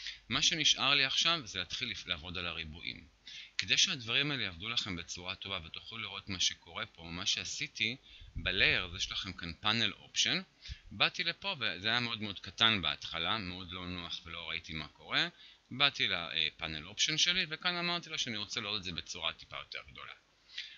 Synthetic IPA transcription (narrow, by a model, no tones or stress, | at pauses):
maʃe̞niʃʔaʁliaχʃavzelat̪χililaːvodalaʁibuʔḭm | ked̪ejʃeadvaʁimaliavdulaχembe̞t͡suʁato̞vavet̪oχluliʁo̞tmaʃeko̞ʁe̞po̞maʃe̞asit̪ibaleʁzjeʃlaχe̞mkanpanelʔo̞̰pʃonbat̪ilepo̞vezeajameo̞dmeo̞d̪̚katanbea̰tχalame̞o̞dlo̞noaχvelo̞ʁaitima̰ko̞ʁe̞bat̪ilaʔepanḛlo̞pʃonʃe̞livekanamaʁt̪ilaʃeaniʁo̞t͡seliʁodedzebe̞t͡suʁati̥pa̰jo̞te̞̰ʁɡ̚d̪o̞̰lʔa̰